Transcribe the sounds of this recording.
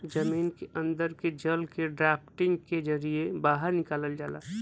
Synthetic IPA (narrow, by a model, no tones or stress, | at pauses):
d͡ʒɐmiːnkeʔə̃nd̪əɾked͡ʒəlkeɖɾaːpʈɪ̃ŋɡked͡ʒəɾiebaːɦəɾnɪkaːləld͡ʒaːla̰ː